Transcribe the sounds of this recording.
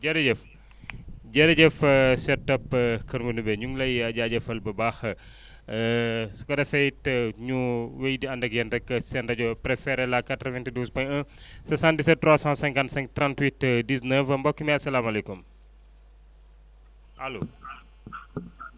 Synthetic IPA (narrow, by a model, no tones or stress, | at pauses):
ɟɐɾɐɟɛf | ɟɐɾɐɟɛfsɛtːɐpːkɐnmunubɛɲuŋlɐjɐɟaɟɐfɐlbɐbax | su̥kɐdɐfɛjtəɲuwejdiɐndɐkjɐndɛkːəsɛndɐɟɔpɾɛfɛɾɛlakatɾəvɛntiduːspɐɲɐ̃sɐsãntisɛt̚tːɾwasãsɛ̃ŋkansɛ̃ŋk̚trãntwitdisnəfɐmbɔkːimiɐsɐlamɐlɛkum | ɐloː